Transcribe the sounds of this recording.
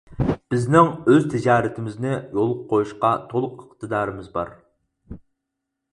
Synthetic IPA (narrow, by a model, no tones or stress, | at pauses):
b̥ɪznɪŋøzt̪ʰɪd͡ʒɑːɾɪt̪ʰɪmɪznɪjolˠɨp̚qʰːojuʃqɑt̪ʰolˠʊqəqt̪ʰɨd̪ɑːɾɨmɪzbɑ̰ɾ